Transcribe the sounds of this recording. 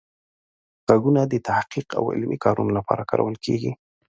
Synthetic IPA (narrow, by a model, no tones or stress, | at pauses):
ɣ̥aɡunad̪ət̪ahqiqa̰wɪ̰lmʔikʰɑɾunolapɑɾakɑɾa̰wəlkʰeɡi